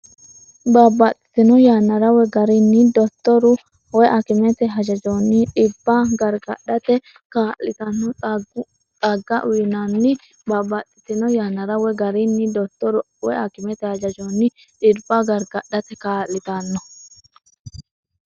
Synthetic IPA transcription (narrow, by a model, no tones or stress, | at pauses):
babɐt͡s̪ʼːɪ̥t̪ɪnɔjaːnːɐɾɐwɛɡɐɾɪnːɪd̪ɔt̪ːɔɾʊ | wɛʔɐkɪmɛt̪ɛɦɐd͡ʒɐd͡ʒonːɪᶑɪbːaɡɐɾɡɐɗɐt̪ɛ | kaːlːɪt̪ɐnːɔ | t͡sʼɐɡːɐʔʊnɐnːɪ | babɐt͡s̪ʼːɪ̥t̪ɪnɔjaːnːɐɾɐwɛɡɐɾɪnːɪd̪ɔt̪ːɔɾʊ | wɛ̰ɐkɪmɛt̪ɛhɐd͡ʒɐd͡ʒonːɪ | ᶑɪɾbːɐɡɐɾɡɐɗːɐt̪ɛkaːlːɪt̪ɐnːɔ